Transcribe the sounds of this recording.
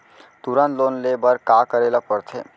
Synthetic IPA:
t̪uɾənt̪lonlebəɾkakəɾelapəɾt̪ʰḛ

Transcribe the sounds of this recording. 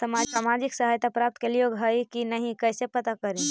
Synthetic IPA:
səmasamad͡ʒiksəɦajt̪apɾap̚t̪kelioɡʱɦəjkinəɦĩkəɪsepət̪akəɾi

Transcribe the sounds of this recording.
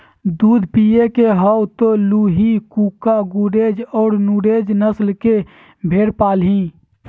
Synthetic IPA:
d̪uːd̪ʱpijekeɦəwt̪oluɦikukaɡuɾed͡ʒɔːɾnuɾed͡ʒnəslke | bʱeɾpaːlɦĩ

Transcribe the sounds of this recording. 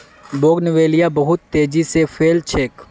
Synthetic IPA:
boːɡnɪʋeːlijabɐɦʊt̪ːeːd͡ʒisefʰeːlt͡ʃʰeːk

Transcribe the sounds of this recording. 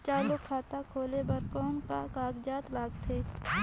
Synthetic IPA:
t͡ʃaːlʊkʰːaːt̪akʰoːlebɐɾkɔːnkakaːɡd͡ʒaːt̪laːɡt̪ʰeː

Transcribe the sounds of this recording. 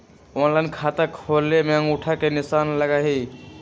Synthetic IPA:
onlankʰat̪akʰolemeə̃ŋuʈʰakenɪsanləɡaɦi

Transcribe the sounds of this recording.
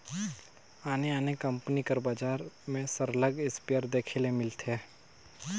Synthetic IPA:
aːneaːnekə̃mpnikəɾbaːd͡ʒaːɾmẽsəɾələɡɪspejəɾd̪eːkʰelemɪlt̪ʰeː

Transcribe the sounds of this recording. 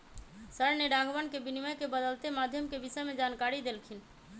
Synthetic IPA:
səɾneɖaɡʋənkebiniməjkebəd̪əlt̪emad̪ʱjəmkebisəmed͡ʒankaɾid̪elkʰin

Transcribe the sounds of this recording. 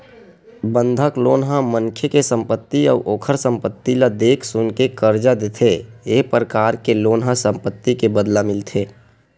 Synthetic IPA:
bə̃nd̪ʱəkloːnɦãməŋkʰjekesə̃mpət̪ːiɔ̰ːɾʔoːkʰəɾsə̃mpət̪ːilad̪eːkʰsʊnkekəɾd͡ʒad̪et̪ʰeeːpɾəkaːɾkeloːnɦasə̃mpət̪ːikebəd̪lamɪlt̪ʰeː

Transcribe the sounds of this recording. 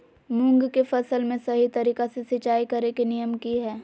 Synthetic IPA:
mʊ̃ŋɡkefɐsəlmẽsɐɦit̪ɐɾiːkasesɪt͡ʃaːikɐɾekinijəmkiɦɛː

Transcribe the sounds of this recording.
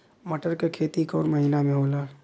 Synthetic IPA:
məʈəɾkekʰeːt̪ikɔːɾməɦinamẽɦoːlaː

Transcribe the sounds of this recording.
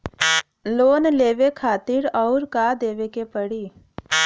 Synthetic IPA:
loːnleːʋekʰaːt̪ɪɾɔːɾkad̪eːʋekepəɽiː

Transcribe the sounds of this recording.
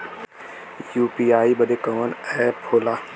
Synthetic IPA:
juːpiːaːibɐd̪ekɔːnɛːpʰoːlaː

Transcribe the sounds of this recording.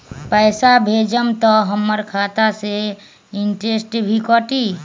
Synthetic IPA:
pəjsabʱed͡ʒəmt̪ɔɦəmːəɾkʰat̪ase | iɳʈɾesʈbʱikɔʈi

